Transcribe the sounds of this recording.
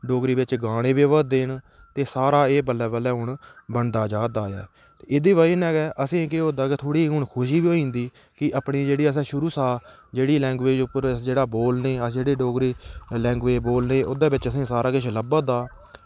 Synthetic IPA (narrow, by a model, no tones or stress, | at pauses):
ɖoːɡɾiːʋɪt͡ʃɡaːɽ̃ẽːʋeːʋaːd̪eːɳ | t̪eːsaːɾaːeːbəlːɛːbəlɛːɦʊɳbəɳd̪aːd͡ʒaːd̪aːjɛ̰ː | t̪eːɪd̪iːbaːiːnɛːɡɛːʔəsẽːkeoːd̪aːket̪ʰoːɽiːɦʊɳkʰʊʃ̬iːbiːoːĩːnd̪iː | kɪʔəpɳĩːd͡ʒeːɽiːəs̬ɛ̃ːʃʊɾuːsaː | d͡ʒeːɽiːlɛ̃ːŋɡʋeːd͡ʒʊpːəɾd͡ʒeːɽaːboːlneːəsd͡ʒeːɽeːɖoːɡɾiːlɛ̃ːŋɡʋeːboːlneːʔʊd̪aːbɪt͡ʃəsẽːsaːɾaːkɪʃʰləbəd̪aː